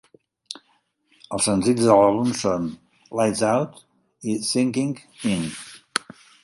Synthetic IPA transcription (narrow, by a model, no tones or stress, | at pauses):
əlˠsə̃nzidzəlaβumsɔ̃n | lajtzawt̪ | isɪ̃ŋkĩŋɪ̃n